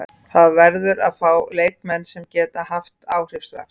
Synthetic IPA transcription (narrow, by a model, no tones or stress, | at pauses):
θaðvɛɾðʏɾaðfaːwleːjkmɛnːsɛmcɛːt̪aɦaft̪aːwr̥ɪfst̪va̰ɾ̥